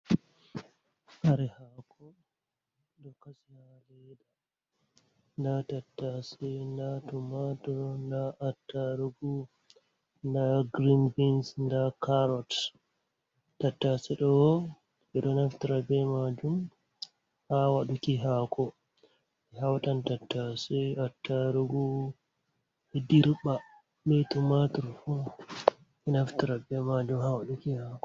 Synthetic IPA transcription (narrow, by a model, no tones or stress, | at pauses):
kaɾɛhakʰɔ | ɗɔkasihalɛda | ndatatːasɛndatumatɔndaʔːtːaɾuɡu | ndaɡɾinbinsndakaɾɔt | tːatːasɛɗɔ | ɛɗɔnaftiɾabɛmad͡ʒum | hawaɗukiɦakʰɔ | ɛɦawtantatːasɛatːaɾuɡu | hɛdiɾɓa | bɛtumatuɾfu | ɛnaftiɾabɛmad͡ʒumhawaɗukihakɔ